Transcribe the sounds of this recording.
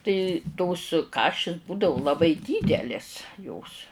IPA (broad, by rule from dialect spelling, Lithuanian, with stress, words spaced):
tɐɪ toːs ˈkɑːʃʲɪs ˈbuːdɐʋʊ lˠɐˈbɐɪ ˈdʲiːdʲɛlʲeːs joːs